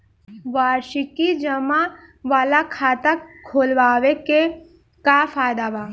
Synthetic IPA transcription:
ʋaːɾʃikid͡ʒəma | ʋaːlakʰaːt̪akʰoːlʋaːʋeke | kafaːjd̪aʋa

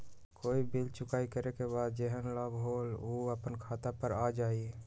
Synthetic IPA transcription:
koːibilt͡ʃʊkaːikəɾekebaːd̪̚d͡ʒeɦənlabɦoloːəpənkʰaːt̪apəɾad͡ʒaːi

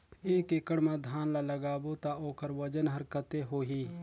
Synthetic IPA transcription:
eːkɪkəɽmãd̪ʱaːnlaləɡaːbot̪aoːkəɾʋəd͡ʒənɦəɾkət̪eɦoːɦiː

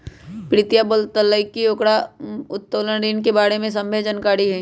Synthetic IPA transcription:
pɾɪt̪jabəlt̪əlːəikːioːkɽaʊt̪ːoːlənɾiːnkebaːɽemẽs̬ɐ̃mbʱed͡ʒənkaːɽiɦɛ

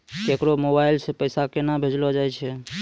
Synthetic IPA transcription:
kekɾomobailsepəjsakenabʱed͡ʒlɔd͡ʒajt͡ʃʰɛ

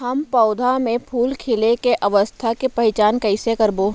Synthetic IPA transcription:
ɦɐmpɔːd̪ʱamẽpʰuːlkʰɪlekeʔɐʋəst̪ʰakepɐɦɪt͡ʃaːnkɐɪsekɐɾboː

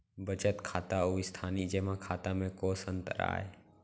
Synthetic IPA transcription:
bət͡ʃət̪kʰaːt̪auːɪst̪ʰaːnid͡ʒeːmãkʰaːt̪ãmẽkoːsənt̪əɾa̰ːe

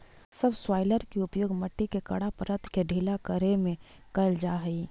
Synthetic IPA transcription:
səbswaːɪləɾkiʊpjoːɡmɐʈːikekɐ̰ɽapəɾət̪ʰkeɖʱiːlakəɾemẽ | kɐld͡ʒaːɦɐi

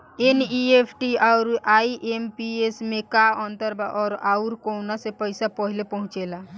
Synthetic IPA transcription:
eniepʰʈiaʊɾaiʔempiesmekaɔnt̪əɾbaʔɔːɾauɾkonasepəjsapəɦilepəɦũt͡ʃela

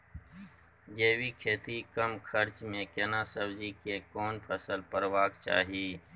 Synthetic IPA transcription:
d͡ʒeːwikʰeːt̪ikəmkʰəɾt͡ʃmẽkɛnaːsəbd͡ʒikekɔːnpʰəsəlpəɾwaːkt͡ʃa̰ːɦieː

